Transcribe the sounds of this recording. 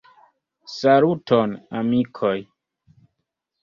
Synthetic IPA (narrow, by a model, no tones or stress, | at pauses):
salutʰonamikʰoj